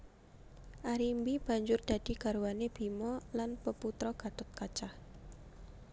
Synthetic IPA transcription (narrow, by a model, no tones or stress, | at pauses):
ʔaɾimbib̥a̤ɲd͡ʒʊrd̪̥a̤d̪̥i̤ɡ̥a̤ɾwaneb̥i̤mɔlanpəput̪ɾɔɡ̥a̤t̪ʊt̪̚kat͡ʃah